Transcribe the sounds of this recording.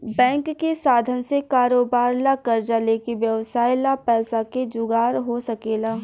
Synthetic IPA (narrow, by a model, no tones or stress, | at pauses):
bɛ̃ːŋkːesaːd̪ʱənsekaːɾoːbaːɾlakɐɾd͡ʒalekeʋjɐʋsaːɪlapɛːsaked͡ʒʊɡaːɾɦosɐkeːlaː